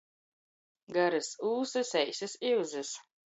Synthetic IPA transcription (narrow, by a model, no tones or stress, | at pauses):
ɡaɾɨsuːsɨsɛjsɨsiwzɨs